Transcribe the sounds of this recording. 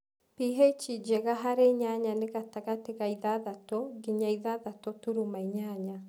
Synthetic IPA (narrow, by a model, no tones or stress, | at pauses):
piɦet͡ʃid͡ʒɛɣaɦaɾeɲaɲaneɣataɣateɣaiðaðatɔɡiɲaiðaðatɔtuɾumaiɲaɲa